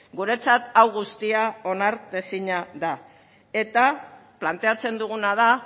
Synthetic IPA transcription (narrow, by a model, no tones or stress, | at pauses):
ɡuɾe̞t͡sat̪awɣust̪iao̞naɾt̪e̞siɲaða | e̞t̪aplant̪e̞at͡se̞nd̪uɣ̞unaða